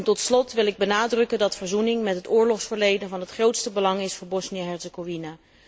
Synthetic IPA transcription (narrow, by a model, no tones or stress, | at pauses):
ntɔtslɔtʋɪlɪɡ̚bənaːdrɵkəndɑtfəɹzunɪŋmɛtɦətʊːɹlɔχsfəɹlejdənvɑnɦətχrowtstəbəlɑŋɪsfʊːɹbɔsniaɦɛɹsəɡovina